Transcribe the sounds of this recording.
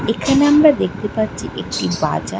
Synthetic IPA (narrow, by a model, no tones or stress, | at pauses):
ekʰɐnɐmbɐɾd̪ekt̪ipɐt͡ʃːiʔekʈːiba̰ːd͡ʒa